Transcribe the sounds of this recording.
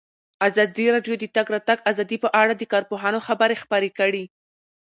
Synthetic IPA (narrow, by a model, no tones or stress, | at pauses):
azɑd̪iɾɑɖjod̪ət̪aɡɾɑt̪aɡazɑd̪ipəʔaɽad̪əkɑɾpoɦɑnoxabəɾexpaɾekəɽi